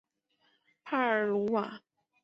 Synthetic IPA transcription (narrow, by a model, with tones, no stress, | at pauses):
pʰa˥˩ə˨˥lu˧˥wa˨˩